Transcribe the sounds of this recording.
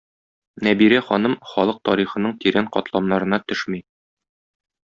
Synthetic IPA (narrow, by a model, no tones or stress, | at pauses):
næbiɾæχɒnɤmχɒlˠɤq̚t̪ɒɾiχɤ̆nɤɴt̪iɾæɴqɒ̰t̪lˠɑmnɑɾɤ̆nɑt̪ɵʃmi